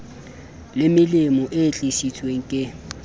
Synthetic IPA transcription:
lɪmɪlɪmɔʔet͡ɬʼisit͡sʰweŋ̩kʼɪ

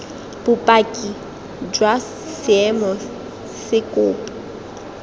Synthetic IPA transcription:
b̥ʊpʼakʼi | d͡ʒwa | sɪɛmɔ | sɪkʼʊːpʼɔ

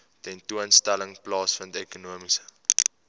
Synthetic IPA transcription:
tɛntuənstæləŋplɑːsfɐndiəkunuəmisə̥

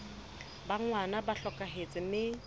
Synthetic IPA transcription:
baŋwanabaɬɔkʼaɦet͡sʼɪmɪ

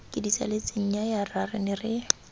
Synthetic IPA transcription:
kʼɪdisa̰let͡sʼɪɲ̩ɲajararɪnɪrɪ

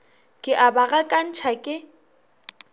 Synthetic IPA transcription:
kʼɪʔabaɣakʼan̩t͡ʃʰakʼɪ

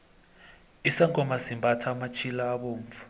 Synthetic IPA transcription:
isaŋɡɔmazimbʱatʰaːmat͡ʃʰilaːɓoːɱvu̥

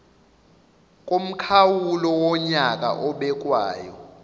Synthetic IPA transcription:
kʼom̩kʰawulɔwɔɲakʼa̰ʔɔɓɛkʼwaːjɔ̰

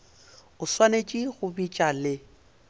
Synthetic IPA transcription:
ʊswanet͡ʃʼiɣʊbit͡ʃʼalɪ

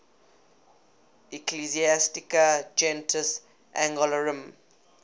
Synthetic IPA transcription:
ikliziastikad͡ʒɛ̃ntʰəs | ʔãŋɡɔləɹə̃m

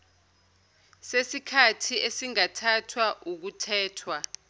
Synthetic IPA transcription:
sesikʰatʰiʔesiŋatʰatʰwaʔuk̬utʰɛːtʰwa

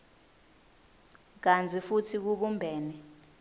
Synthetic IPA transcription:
k̬and͡zʱifutʰik̬uɓumbʱɛːnɛ

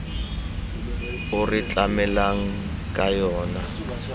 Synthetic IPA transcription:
ʊrɪt͡ɬʼamɛlaŋ̩ | kʼajɔːna

